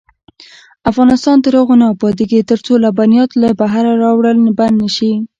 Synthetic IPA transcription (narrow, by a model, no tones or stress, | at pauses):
afɣɑnɪst̪ɑnd̪əɾoɣonɑbɑd̪ɪɡet̪əɾt͡solabanijɑt̪labaɦaɾaɾɑwɽəlband̪nəʃi